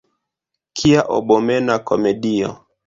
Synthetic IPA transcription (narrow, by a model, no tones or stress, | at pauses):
kʰiaʔɔ̰ɓɔmɛnakɔmɛɗiɔ̰